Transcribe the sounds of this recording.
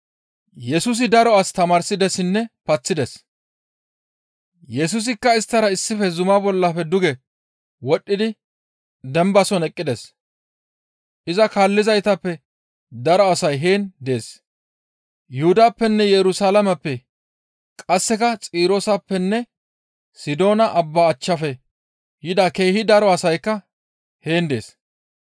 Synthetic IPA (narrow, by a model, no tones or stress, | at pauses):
jɛsʊs̬ɪd̪ɐɾɔɐst̪ɐmaːɾsɪd̪ɛsɪnːɛpɐt͡sːɪd̪ɛs | jɛs̬ʊs̬ɪkːɐɪst̪ːɐɾɐɪsːɪfɛzʊmabɔlːɐfɛd̪ʊɡɛ | wɔɗːɪd̪ɪ | d̪ɛmbɐsɔnɛkʼːɪd̪ɛs | ʔɪzɐkaːlːɪzɐjt̪ɐpːɛ | d̪ɐɾɔɐsɐjɦe̞ːnd̪e̞ːs | jʊhʊd̪aːpːɛnːɛjɛɾʊsaːlɐmɐpːɛ | kʼɐsːɛkɐt͡sʼiːɾosɐpːɛnːɛ | sɪd̪o̞ːnɐʔɐbːaːt͡ʃːɐfɛ | jɪd̪ɐkeːhɪd̪ɐɾɔɐsɐjkːɐ | he̞ːnd̪e̞̰ːs